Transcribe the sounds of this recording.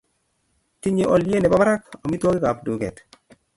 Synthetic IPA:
ti˦ɲe˨ʔɔ˨lje˦ne˨ba˦ba˦ɾa˦kɔ˨mi˦two˦kɪ˦ka˨pdu˨ɡɛ̰˨t

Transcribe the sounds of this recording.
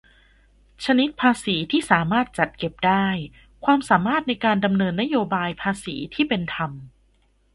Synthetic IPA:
t͡ɕʰa˧ni˦˥t̪̚pʰaː˧siː˩˦t̪ʰiː˥˩saː˩˦maː˥˩t̪̚t͡ɕa˨˩t̪̚ke˨˩p̚daː˥˩j | kʰwaː˧msaː˩˦maː˥˩t̪̚na˧jkaː˧nda˧mnɤː˧nːa˦˥joː˧baː˧jpʰaː˧siː˩˦t̪ʰiː˥˩pe˧nt̪ʰa˧m

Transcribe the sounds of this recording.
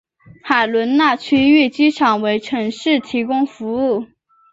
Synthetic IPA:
xa˨˩ɪlwə˧˥nna˥˩t͡ɕʰy˥y˥˩t͡ɕi˥ʈ͡ʂʰɑ˨˩ŋwe˧˥ɪʈ͡ʂʰɤ˧˥ŋʂɻ̩˥˩t̪ʰi˧˥kʊ˥ŋfu˧˥u˥˩

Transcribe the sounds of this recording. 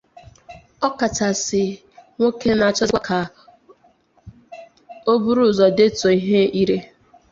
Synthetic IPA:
ɔ˦ka˨ta˨sɪ˨ | ŋʷo˦ke˦na˨a˨t͡ʃɔ˦a˦kʰa˨ | o˦bu˦ɾu˦˨zɔ˨de˦to˨i˦ɦe˦i˦ɾe˦

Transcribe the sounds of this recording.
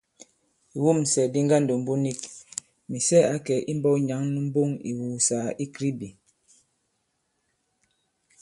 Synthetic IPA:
i˨wu˦˨m˨sɛ˨di˦ŋɡa˦n˨do˨m˦bo˦ni˦˨k̚ | mi˨sɛ˦a˨˦kɛ˨ʔi˦m˦bɔ˦ɲa˨˦ŋnu˦m̩˦bo˦˨ŋḭ˨wu˨˦saː˨˦i˦kɾi˦bi˨

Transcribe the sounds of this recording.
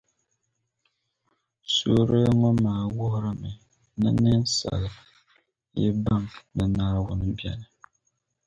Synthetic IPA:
so˦ɾɨ˦ŋɔ˦maː˨wʊ˦hʊ˦ɾɨ˦mɨ˨ | nɨ̰˦nɨ˦n˦sa̰˨lɨ˨ | jɛ˦ba˦˨mnɨ˨naː˦˨wʊ˨nɨ˨bi˦ɛ̰˨nɨ˨

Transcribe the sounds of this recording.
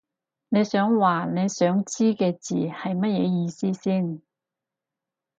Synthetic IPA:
ne˨˧jsœː˨˥ŋwaː˨˩ne˨˧jsœː˨˥ŋt͡siː˥kɛː˧t͡sḭː˨˩hɐ˨jmɐ˥t̚jɛ̰ː˨˧jiː˨˧siː˥siː˥˩n

